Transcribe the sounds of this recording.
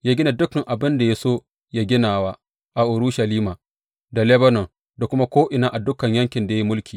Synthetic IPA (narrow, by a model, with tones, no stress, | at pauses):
jaː˦ɡʲɪ˦na˨dʊ˦kɐ˨ŋʔa˨bɪ˦nda˨ja˦soː˦ | ja˦ɡʲɪ˦naː˨wa˦ | ʔa˨ʔʊ˨ɾʊ˦ʃɐ˨liː˦maː˨ | da˨lɛ˦bɐ˦nɔ˨ŋ | da˨kʷʊ˦ma˦kʷoː˦ʔɪ˨naː˦ʔa˨dʊ˦kɐ˨ɲjɐ˦ŋkʲɪ˨nda˨ja˦i˦mʊ˦lkʲʰiː˨